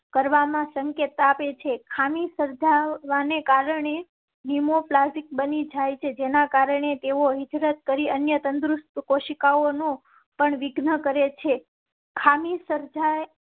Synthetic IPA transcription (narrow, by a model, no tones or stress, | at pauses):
kəɾʋamãsəŋket̪aapet͡ʃʰekʰamisəɾd͡ʒaʋanekaɾəɳe | nimoplasʈik̚bənid͡ʒajt͡ʃʰed͡ʒenakaɾəɳet̪eoɦɪd͡ʒ̪ɾət̪̚kəɾiənjət̪ənd̪ɾust̪koʃikaonõ | pəɳʋɪɡnəkəɾet͡ʃʰe | kʰamisəɾd͡ʒae